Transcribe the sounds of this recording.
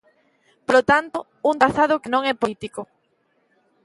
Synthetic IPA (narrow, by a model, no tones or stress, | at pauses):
polot̪ant̪o | unt̪aθaðokenõŋɛpolit̪iko